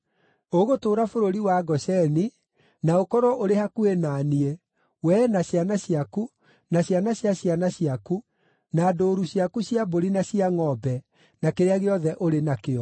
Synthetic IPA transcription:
oɣotoːɾafoɾoɾiwaɡɔsɛni | naokɔɾɔʔoɾehakuenaːnie | wɛnaɕjanaɕiaku | naɕjanaɕjaɕijanaɕiaku | naːdoːɾuɕiakuɕjaboɾinaɕiaŋɔbɛ | nakeɾeaɣeɔðɛʔoɾenakeɔ

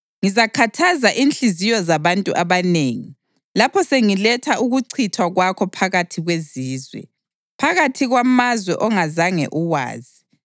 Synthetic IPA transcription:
ŋizakʰatʰazaʔinɬizijɔzaβantʼṵʔaβaneːŋi | lapʰɔseŋilɛtʰaʔuɣuǀʰitʰwaɣwakʰɔpʰaɣatʰiɣweziːzwɛ̰ | pʰaɣatʰiɣwamazwɛ̰ʔɔŋazaŋɛ̰ʔuwa̰ːzi

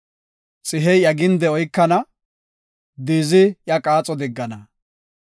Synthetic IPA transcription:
t͡sʼɪɦɛjɐɡɪnd̪ɛɔjkːɐnɐ | d̪iːzɪjɐkʼaːt͡sʼɔd̪ɪɡːɐnɐ

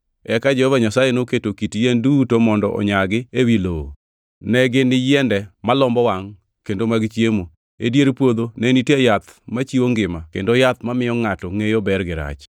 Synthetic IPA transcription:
ɛkad͡ʒɛhɔvaɲasajenoketokitjendutomɔndɔʔɔ̰ɲaɡɪewilo | nɛɡɪnɪjɛndɛmalɔmbɔwaŋ | kendomaɡɪt͡ʃjemo | ḛdjeɾpwod̪onɛnitjejat̪mat͡ʃioŋɡɪmakendojat̪mamɪjɔŋatɔŋejobɛrɡɪɾa̰t͡ʃ

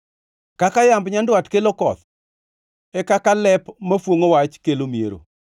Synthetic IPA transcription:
kakajambɲandwatkelokɔ̰t̪ | ɛkakalɛpmafwoŋowat͡ʃkelomiḛɾo̰

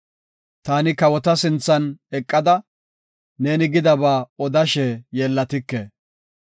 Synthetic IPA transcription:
t̪aːnɪkɐwɔt̪ɐsɪnt͡sːɐnɛkʼːɐd̪ɐ | ne̞ːnɪɡɪd̪ɐbaːɔd̪ɐʃɛjɛːlːɐt̪ɪkːeː

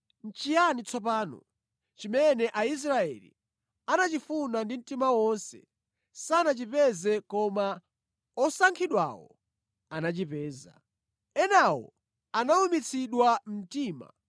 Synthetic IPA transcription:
n̩t͡ʃijanit͡sʰɔp̬aːnɔ̰ | t͡ʃimɛnɛʔais̬ɾaɛ̰lḭ | anat͡ʃifunandim̩timawɔnsɛ̰ | sanat͡ʃipɛzɛkɔma | ɔsaŋkʰiɗwa̰wɔ̰ | anat͡ʃipɛːza̰ | ɛnawɔ̰ | anaumit͡sʰiɗwam̩tiːma̰

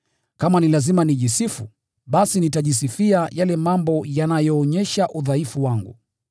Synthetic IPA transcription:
kamanilazimaniʄisifu | ɓasinitaʄis̬ifiajalɛmambɔjanajɔːɲɛʃaʔuðaifuwaŋɡṵ

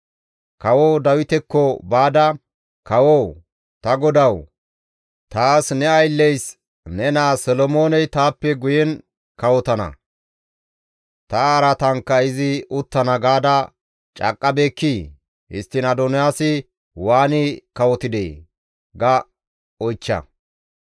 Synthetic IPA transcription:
kɐwod̪ɐwɪt̪ɛkːɔbaːd̪ɐ | kɐwo | t̪ɐɡɔd̪ɐw | t̪aːsnɛɐjlːɛjs | nɛnaːsɔlɔmo̞ːnɛjt̪aːpːɛɡʊjɛn | kɐwɔt̪ɐnɐ̰ | t̪ɐaːɾɐt̪ɐŋkːɐɪzɪʊt̪ːɐnɐɡaːd̪ɐ | t͡ʃʼɐ̰kʼːɐbeːkːiː | hɪ̰st̪ːɪnɐd̪ɔnɪjaːsɪ | waːnɪkɐwɔt̪ɪd̪ḛː | ɡɐ | ɔjt͡ʃːɐ̰

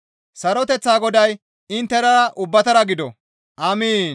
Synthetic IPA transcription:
sɐɾɔt̪ɛt͡sːaːɡɔd̪ɐj | ɪnt̪ːɛɾɐʔʊbːɐt̪ɐɾɐɡɪd̪ɔ̰ | ʔɐmiːn

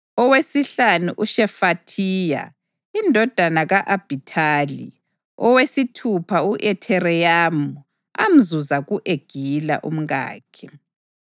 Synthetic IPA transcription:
ɔwesiɬanuʔuʃɛfatʰiːja̰ | indʱɔd̥ʱanaɣaʔab̥ʱitʰaːlḭ | ɔwesitʰupʰauʔɛtʰɛɾɛjamu | a̰m̩zuzaɣuʔeɡ̥ʱila̰ʔṵm̩ɣa̰ːkʰɛ

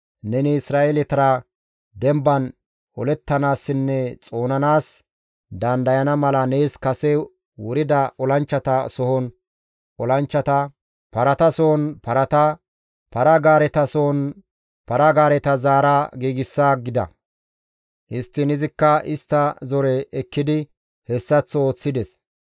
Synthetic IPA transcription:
nɛnɪɪsɾaːʔelɪt̪ɐɾɐ | d̪ɛmbɐn | ɔlɛt̪ːɐnaːsːɪnːɛt͡sʼo̞ːnɐnaːs | d̪ɐnd̪ɐjɐnɐmɐlɐneːskɐsɛ | wʊɾɪd̪ɐɔlɐnt͡ʃːɐt̪ɐsɔhɔn | ɔlɐnt͡ʃːɐt̪ɐ | pɐɾɐt̪ɐsɔhɔnpɐɾɐt̪ɐ | pɐɾɐɡaːɾɛt̪ɐsɔɔn | pɐɾɐɡaːɾɛt̪ɐzaːɾaɡiːɡɪsːaːɡɪd̪ɐ̰ | hɪst̪ːɪnɪzɪkːɐɪst̪ːɐzɔɾɛɛkːɪd̪ɪ | hɛsːɐt͡sːo̞ːt͡sːɪd̪ɛs

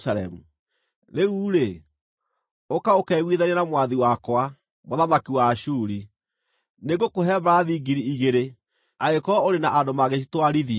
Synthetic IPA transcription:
saɾɛ̰mu | ɾeuːɾe | okaokɛɣwiðanianamwaðiwakwa | moðamakiwaːʃuɾi | neɣokoɦɛβaaðiːɡiɾiiɣeɾe | aekɔoɾenaʔadomaɣeʃ̬itwaɾiði

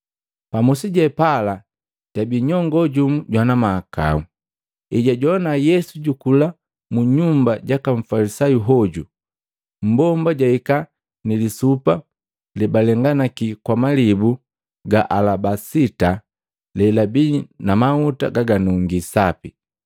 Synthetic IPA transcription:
pamusiɟɛpala | ɟ̥abiɲɔŋɡɔɟumuɟwanamaːka̰u | iɟaɟɔnajɛsuɟukula | muɲumbaɟakaɱ̩falisajuɦɔɟu | m̩bɔmbaɟaika | nilisupa | lɛbalɛŋɡanakikwamalibu | ɡaʔalabasita | lɛlabinamahuta̰ɡaɡanuŋɡisapi

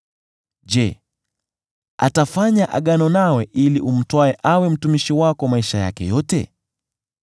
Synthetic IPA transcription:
ʄɛ | a̰tafaɲaʔa̰ɠanɔnawɛʔiliʔum̩twaɛʔawɛm̩tumiʃiwakɔmaiʃaja̰kɛ̰jɔtɛ̰

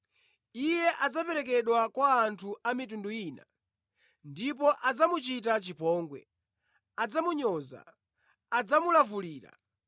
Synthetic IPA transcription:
ijɛʔad͡zapɛɾɛk̬ɛɗwakwaːntʰuʔamitunduiːna̰ | ndip̬ɔʔad͡zamut͡ʃit̬at͡ʃipɔːŋɡwɛ̰ | ad͡zamuɲɔza̰ː | d͡zamulavuliːɾa̰

